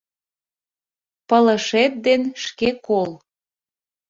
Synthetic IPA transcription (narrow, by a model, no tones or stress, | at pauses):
pələʃet̪̚d̪enʃkekol